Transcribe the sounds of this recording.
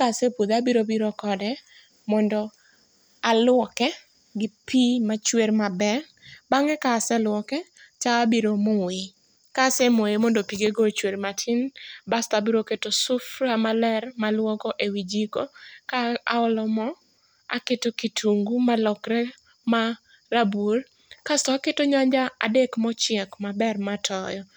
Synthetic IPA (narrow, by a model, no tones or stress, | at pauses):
kasepud̪abiɾobiɾɔkɔdɛ | mɔndɔ | alʊwɔkɛ | ɡɪpimat͡ʃweɾmabɛ | baŋɛkasɛlwɔkɛt͡ʃaabiɾomowɪ | kasɛmoemɔndopiɡeɡot͡ʃweɾmatʰɪnbastabiɾoketosʊfɾamalɛrmalwɔkɔʔewid͡ʒikokaa̰ɔlɔmɔ | a̰ketokitʰuŋɡumalɔkɾɛ | ma | rabur | kastɔketoɲaɲd͡ʒaa̰dekmɔt͡ʃɪɛkmabɛrmatʰɔjɔ